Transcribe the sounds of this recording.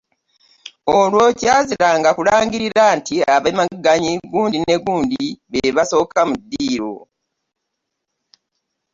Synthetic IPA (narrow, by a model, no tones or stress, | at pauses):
olwo̞caːziɾaŋɡakulaːɲɟiɾiɾantiaβamaɡaɲiɡuːndine̞ɡuːndiβeβaso̞ːkʰamudːiːɾo̞̰